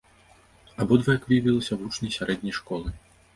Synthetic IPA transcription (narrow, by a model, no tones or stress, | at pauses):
abɔd̪vɐjakvʲivʲilˠɐsʲɐvut͡ʂnɐjsʲaɾɛd̪ʲnʲɐjʂkɔlˠɨ